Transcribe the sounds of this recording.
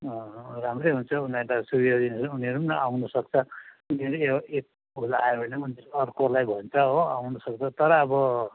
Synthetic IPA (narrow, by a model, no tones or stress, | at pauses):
ʌramrejɦunt͡sʰʌunʌʈasubijod̪inʌsuniɦʌɾupnʌʔawnusʌkt͡sʰʌuniʌɾueek̚ | bʱulaebʱʌneuniʌɾuʌrkolajbʱʌnt͡sʰʌɦoawnusʌk̚t͡sʰʌt̪ʌɾʌːbʌ